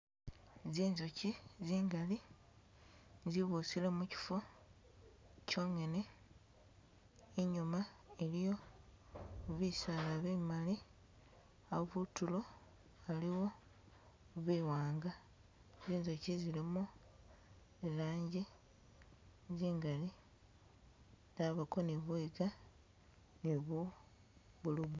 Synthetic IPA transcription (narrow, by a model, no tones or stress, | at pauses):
ziːnzo̞ciziːŋɡali | ziβusilemuci̥fo | co̞ːŋe̞ne̞ | iɲumaelijo̞ | βisalaβeːmali | aβutulo̞ | aliwo̞ | βiːwaːŋɡa | ziːnzocizilemo | elaːɲɟi | ziːŋɡali | daβakoniβwiːɡa | niβu | βuluβ